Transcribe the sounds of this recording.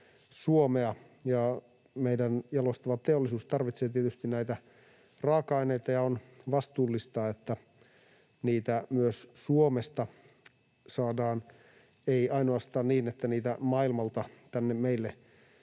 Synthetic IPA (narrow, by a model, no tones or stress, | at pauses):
suomeɑ | jɑ | meidænjɑlost̪ɑʋɑt̪eolːisuːst̪ɑrʋit̪seːt̪iet̪yst̪inæit̪æ | rɑːkɑineit̪ɑjɑonʋɑst̪uːlːist̪ɑːet̪ːæ | niːt̪æmyøssuomest̪ɑ | sɑːdɑːn | eiɑinoɑst̪ɑːnniːnet̪ːæniːt̪æmɑilmɑlt̪ɑt̪ænːemmeilːe